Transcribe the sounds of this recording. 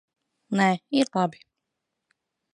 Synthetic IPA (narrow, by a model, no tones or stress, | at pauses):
nɛiɾlˠabi̥